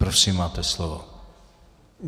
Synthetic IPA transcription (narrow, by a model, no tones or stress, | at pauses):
pɾofsimːaːt̪ɛslovo̰